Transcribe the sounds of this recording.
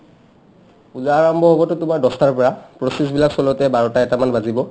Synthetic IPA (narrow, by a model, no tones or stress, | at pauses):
uzaːɹɔmbʱɔɦobɔtʊtʊmaɹdɔstaɹpɔɹapɹɔsis̬bilaksɔlɔtɛbaɹɔtaɛtamanbazibɔ